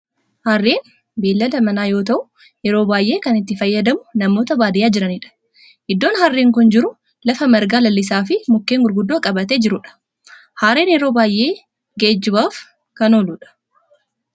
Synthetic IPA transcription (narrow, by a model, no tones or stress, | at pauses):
haːrːeːn | beːlːɐlɐmɐnaːjo̞ːt̪ɐʔʊ | jɛɾo̞ːbaːjʔe̞ːkɐnɪt̪ːɪfɐjːɐd̪ɐmʊnɐmoːt̪ɐbaːd̪ɪjaːd͡ʒɪɾɐniːᶑɐ̥ | ʔɪd̪ːo̞ːnhɐrːeːŋkʊnd͡ʒɪɾʊ | lɐfɐmɐɾɡaːlɐlːɪs̬aːfɪmʊkːeːŋɡʊɾɡʊd̪ːoːkʼɐbɐt̪e̞ːd͡ʒɪɾʊᶑɐ̥ | haːɾeːnjɛɾo̞ːbaːjʔe̞ː | ɡeːd͡ʒːɪbaːf | kɐno̞ːluːᶑɐ̥